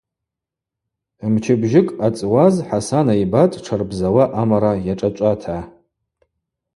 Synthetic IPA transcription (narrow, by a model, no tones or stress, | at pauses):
mt͡ʃʰɪbʒɪkʼat͡sʼwazħasanaibatʼʈ͡ʂʰarbzawaʔamaɾajaʈ͡ʂʼat͡ʃʷʼatʰa